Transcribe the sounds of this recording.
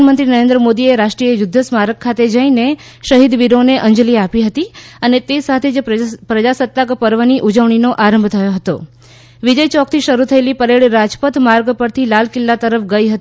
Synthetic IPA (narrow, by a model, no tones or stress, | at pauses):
nmənt̪ɾinəɾẽnd̪ɾəmod̪ieɾaʂʈɾijejud̪ʱːəsmaɾəɡ̚kʰːat̪ed͡ʒəine | ʃəɦid̪ʋiɾoneʔəɲd͡ʒliapiɦət̪iənet̪esat̪ʰed͡ʒpɾəd͡ʒasət̪ːakpəɾʋəniʔud͡ʒəʋɳ̃inoʔaɾəmbʱt̪ʰəjoɦət̪o | ʋid͡ʒəjt͡ʃɔk̚ʰt̪ʰiʃəɾut̪ʰəelipəɾeɭɾad͡ʒpət̪maɾɡpəɾt̪ʰilalkɪlːat̪əɾəfɡəjɦət̪i